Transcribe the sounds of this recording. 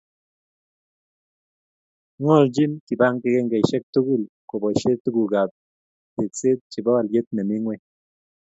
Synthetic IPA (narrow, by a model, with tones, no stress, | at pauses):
ŋo˦˨ld͡ʒi˦nki˨ba˦ŋke˦˧ɡe˦ŋɡe˨jʃe˦k̚t̪u˦ɡi˦˨l | ko˨ba˨ʃe˦t̪u˦ɡu˨ɡa˨b̚ | t̪i˨t͡si˦t̪̚t͡ʃi˨ba˦wa˧lje˦t̪ne˨mi˦ŋwe˦˧